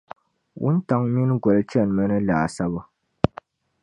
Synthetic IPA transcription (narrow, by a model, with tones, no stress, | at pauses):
wṵ˦n̩˦ta˨˦ŋmi˦nɡwɛ˨lt͡ʃɛ˦˨nmə˦nə˦la˨sa˦bə˦